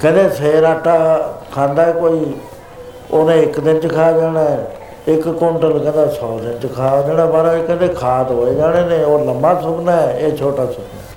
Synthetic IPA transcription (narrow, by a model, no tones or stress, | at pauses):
kɛ̃ːnd̪eːseːɾaːʈaːkʰãːnd̪aːɛkoːiː | oːnẽːɪkd̪ɪnt͡ʃkʰaːd͡ʒaːɽ̃aːɛ | ɪkːõːɳʈəlkɛ̃ːnd̪ẽːsɔːd̪ɪnt͡ʃkʰaːd͡ʒaːɽãːbaːɾaːkɛ̃ːd̪eːkʰaːt̪ɦoːeːd͡ʒaːɽ̃eːnẽːoːləmaːsʰʊbnaːɛːeːt͡ʃʰoːʈaːsʰʊbna